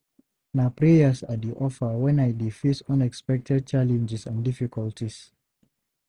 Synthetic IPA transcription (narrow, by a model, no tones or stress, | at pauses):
napɹɛjəsadiʔɔfəwɛ̃najdifitɔ̃nɛkspɛk̚tʰɛd̚t͡ʃalɛ̃nd͡ʒɛsãndifikʰɔltʰis